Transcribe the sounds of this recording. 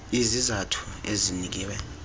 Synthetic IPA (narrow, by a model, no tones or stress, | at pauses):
izizatʰu̥ezinik̬iːwɛ